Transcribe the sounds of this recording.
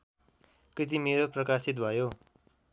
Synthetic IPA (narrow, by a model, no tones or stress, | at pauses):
krit̪̬imeɾoprʌkasit̪bʱʌjo